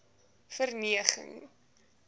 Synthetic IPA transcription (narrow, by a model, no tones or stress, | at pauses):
fərniəχə̰ŋ